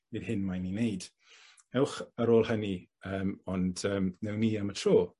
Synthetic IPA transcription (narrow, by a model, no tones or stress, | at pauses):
vɨðhɪnmajninejd̥ | ɛwχəɾoːlˠhəniəːmɔndəːmnɛwniːəmətʰroː